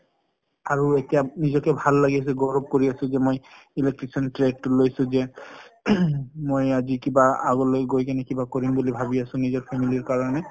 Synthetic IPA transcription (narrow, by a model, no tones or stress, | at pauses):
aɹuetijanizɔkɛbʱalːaɡias̬ɛɡɔɹɔb̚koɹiasʊ̃zɛmoj | ilek̚ʈɹisɔntɹed̚tʊlojsʊ̃zɛ | mojazikibaa̰ɡɔlojɡojkanɛkibakoɹimbulibʱabiasʊ̃nizɔɹpʰɛmiliɹkaɹɔnɛ